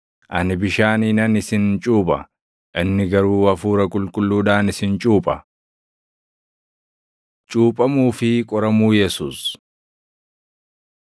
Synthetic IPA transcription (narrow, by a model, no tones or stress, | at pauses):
ʔɐnɪbɪʃaːniːnɐnɪsɪnt͡ʃʼuːpʼɐ̰ | ʔɪnːɪɡɐɾuːɐfuːɾɐkʼʊlkʼʊlːuːᶑaːnɪsɪnt͡ʃʼuːpʼɐ | t͡ʃʼuːpʼɐmuːfɪkʼɔɾɐmuːjɛsuːs